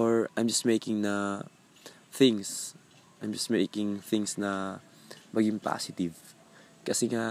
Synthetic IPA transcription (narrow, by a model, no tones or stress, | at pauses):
ʔoɹajmd͡ʒɐst̪mejkɪŋnɐ | θɪ̃ŋs | ʔajmd͡ʒɐst̪mejkɪŋθɪ̃ŋsnɐ | mɐɡɪŋpa̰sɪt̪ɪv | kɐsɛŋa